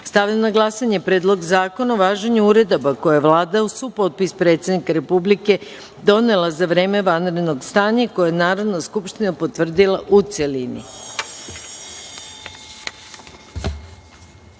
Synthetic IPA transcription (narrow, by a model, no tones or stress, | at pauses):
st̪aʋʎamnaɡlˠasaɲepɾe̞ːd̪lo̞ɡzaːko̞naoʋaːʒeɲuuɾe̞d̪o̞bakojaeʋlˠaːd̪ausupo̞t̪̚pispɾe̞ːt̪sʲe̞d̪nikaɾe̞publike̞ | d̪o̞ne̞lazaʋɾe̞ːme̞ʋanɾed̪no̞ɡst̪aːɲako̞jajenaːɾo̞d̪naskupʃt̪inapo̞t̪ʋr̩d̪ilˠaʔut̪selinḭ